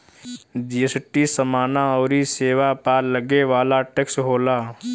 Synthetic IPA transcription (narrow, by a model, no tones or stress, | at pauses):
d͡ʒiəsʈisəmaːnaɔːɾiseːʋapaːləɡeʋaːlaʈeːksɦoːlaː